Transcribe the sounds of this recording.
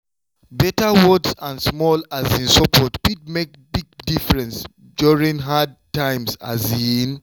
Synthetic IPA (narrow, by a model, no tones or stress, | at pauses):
bɛtawɔdsãnsmɔlazĩnsɔpʰɔtpid̚mek̚biɡ̚difɹɛ̃ns | duɹĩŋɦadtãɪ̃msa̰zĩn